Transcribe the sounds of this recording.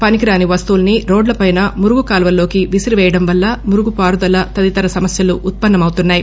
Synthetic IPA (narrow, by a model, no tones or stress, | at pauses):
pɐnikiɾaːniʋɐst̪uːlɐniɾo̞ːɖlɐpɐjnɐmuɾuɡukaːlʋɐlo̞ːkiʋisiɾiʋɛːjɐɽɐmʋɐlːɐmuɾuɡupaːɾud̪ɐlɐt̪ɐd̪it̪ɐɾɐsɐmɐsjɐluʔːt̪̚pɐnːɐmɐwut̪unːaːji